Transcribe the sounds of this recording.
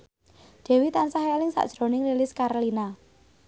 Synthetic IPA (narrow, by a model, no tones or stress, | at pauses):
d̥ɛ̤wit̪ansaɦalɪŋsa̰ʔd̥ʒ̥ɾo̤nɪŋlilɪskaɾolina